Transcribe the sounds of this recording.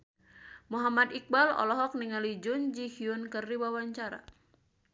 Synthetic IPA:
muɦamad̪ik̚balɔ̰lɔɦɔk̚niŋalid͡ʒʊnd͡ʒihiunkərːiwawaɲt͡ʃaɾa̰

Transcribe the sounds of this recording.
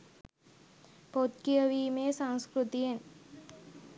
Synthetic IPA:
pot̪̚kijəʋiːmeːsaŋskɾut̪ijen

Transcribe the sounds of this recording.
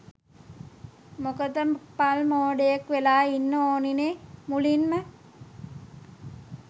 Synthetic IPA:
mokəd̪əmpalmoːɖejakʋelaːinːəoːninemulinmə

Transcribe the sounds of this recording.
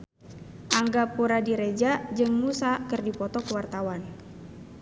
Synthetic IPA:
ʔaŋɡapuɾadiɾed͡ʒad͡ʒɨŋmusakɨrdipɔt̪ɔkəwart̪awan

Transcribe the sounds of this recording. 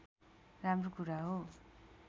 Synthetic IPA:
ramrokuɾaɦo

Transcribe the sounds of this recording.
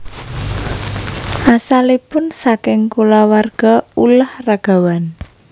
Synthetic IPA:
ʔasalipʊnsakɪŋkulawarɡ̥a̤ulahraɡ̥a̤wan

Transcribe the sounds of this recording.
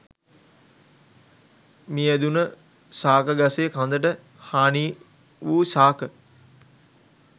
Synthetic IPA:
miːæd̪unə | saːkəɡaseːkãnd̪əʈə | haːniː | ʋuːsaːkə

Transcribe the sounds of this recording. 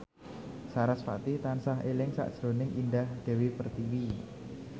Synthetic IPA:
saɾasfa̰t̪it̪ansaɦelɪŋsa̰ʔd̥ʒ̥ɾo̤nɪŋʔindahd̪̥e̤wepərt̪iwi

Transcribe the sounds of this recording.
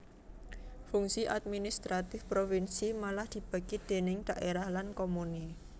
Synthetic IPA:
fuŋsiʔad̪̚minist̪ɾat̪ɪfpɾofinsimalahd̪̥i̤b̥a̤kid̪̥e̤nɪŋd̪̥a̤ʔeɾahlankomuni

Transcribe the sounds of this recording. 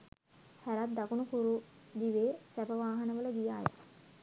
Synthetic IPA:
hæɾat̪̚d̪akunukuɾud̪iʋeːsæbəʋaːɦənəʋələɡ̪ijaːja̰

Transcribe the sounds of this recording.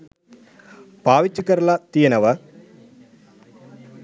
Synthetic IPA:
paːʋit͡ʃːukɐɾɐlɐt̪ijɐnɐʋɐ

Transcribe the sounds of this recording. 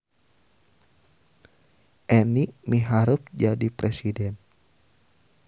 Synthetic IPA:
ʔɛniʔmiɦaɾup̚d͡ʒadipɾɛsidɛn

